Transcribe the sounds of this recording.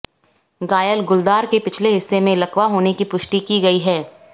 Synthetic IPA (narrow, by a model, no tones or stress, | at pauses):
ɡaːjəlɡʊld̪aːɾkepɪt͡ʃʰleɦɪsːemẽlɐkwaɦoːnekipʊʃʈikiɡɐiɦɛː